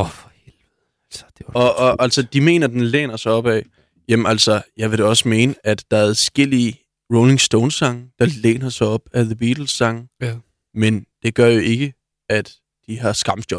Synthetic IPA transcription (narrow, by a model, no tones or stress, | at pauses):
f | elðˠ | lsd̥ɒ̽ɒʔæl̰sɒd̥ime̝̰ːnɐd̥enlḛːnɐsɒ̽ɒ̽b̥ɛ̰ | jemæl̰sɒjɑ̈ɪʋe̝ɾɒ̽səme̝ːnəʔæd̥ːɑ̈æɐðsɡ̥el̰i | ʁoʊle̝ŋsd̥oʊnsɑ̈ŋəd̥ɑ̈lḛːnɐsɑɒ̽b̥æðəb̥iːd̥l̩sɑ̈ŋ̩ | mend̥e̝ɡ̥ɶɐ̰jo̝ʔe̝ɡ̥ə | æd̥ | d̥iɦɑ̈sɡ̥ɑ̈md̥jɒ̽b̥